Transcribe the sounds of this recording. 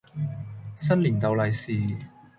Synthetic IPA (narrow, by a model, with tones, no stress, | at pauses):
sɐ˥nliː˨˩nt̪ɐ˨˧wlɐ˨jsiː˨˩